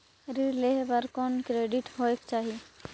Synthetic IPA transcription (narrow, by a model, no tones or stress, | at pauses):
ɾileɦbəɾkɔnkɾeɖiʈɦoekt͡ʃaːɦie